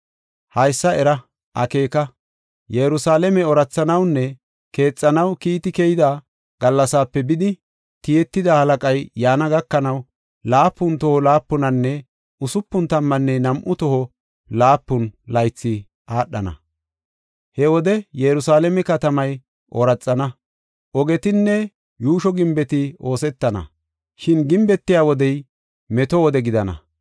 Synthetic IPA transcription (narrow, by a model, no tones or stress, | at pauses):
hɐjsːɐɛɾɐ | ʔɐ̰ke̞ːkɐ | jɛɾʊsaːlɛmɛɔɾɐt͡sːɐnɐwnːɛ | ke̞ːt͡sʼːɐnɐwkiːt̪ɪkɛjɪd̪aː | ɡ̥ɐlːɐsaːpːɛbɪd̪ɪ | t̪ɪjɛt̪ːɪd̪ahɐlɐkʼɐjːaːnɐɡɐkːɐnɐw | laːpːʊnt̪ɔhɔlaːpːʊnɐnːɛ | ʊsʊpːʊnt̪ɐmːɐnːɛnɐmʔʊt̪ɔhɔ | laːpːʊnlɐjt͡sːɪ | ʔaːɗːɐnɐ̰ | hɛwɔd̪ɛjɛɾʊsaːlɛmɛkɐt̪ɐmɐj | ʔɔɾɐt͡sʼːɐnɐ | ʔɔɡɛt̪ɪnːɛ | juːʃɔɡɪmbɛt̪ɪo̞ːsɛt̪ːɐnɐ̰ | ʃɪnɡɪmbɛt̪ːɪjaːwɔd̪ɛj | mɛt̪ɔwɔd̪ɛɡɪd̪ɐnɐ̰